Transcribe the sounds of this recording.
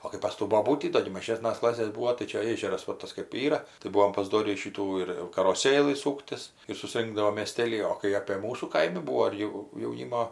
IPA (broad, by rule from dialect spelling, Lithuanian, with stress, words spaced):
oː kɐɪ pɐs ˈtuː boːˈbuːtʲiː ˈdoː ɡʲɪ mɐˈʒʲeːsnɐs ˈklˠɑːsʲeːs ˈbuːoː tɐɪ ˈt͡ʃʲɛ ˈeːʒʲɛrɐs ʋɐ ˈtɐs kɜp ˈiːrɐ tɐɪ ˈbuɔm pɐˈzdoːrʲiː ˈʃʲiːtuː ɪr jɛʊ kɐroːˈsʲeːlˠɨ ˈsuːktʲɪs ɪr sʊˈsʲrʲɪŋɡdɐʋoːm mʲeːˈsʲtʲeːlʲiː oː kɐɪ ɐpʲeː ˈmuːsuː ˈkɐɪmʲɪ ˈbuːʋoː ɪr ˈjɛʊ jɛʊˈnʲiːmoː